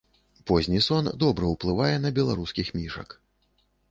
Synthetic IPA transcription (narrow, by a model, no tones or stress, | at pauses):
pɔzʲnʲisɔnd̪ɔbɾɐwplˠɨvajɛnɐbʲɛlˠaɾuskʲixmʲiʂɐ̰k